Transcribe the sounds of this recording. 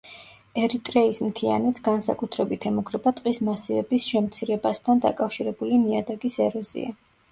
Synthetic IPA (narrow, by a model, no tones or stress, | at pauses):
ɛɾit̪ʼɾɛismt̪ʰia̰nɛt̪sɡansa̰kʼut̪ʰɾɛbit̪ʰɛmukʰɾɛbat̪ʼqʼismasivɛbisʃɛmt̪sʰiɾɛbast̪ʰand̪a̰kʼafʃiɾɛbuliniad̪aɡisɛɾɔzḭa